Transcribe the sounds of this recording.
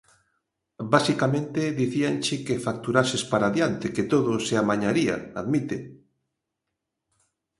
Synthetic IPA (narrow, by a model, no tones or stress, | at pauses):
basikamẽnt̪ɪðiθiant͡ʃɪkefak̚t̪uɾasespaɾaðjant̪eket̪oðʊsɪamaɲaɾia̰aðmit̪e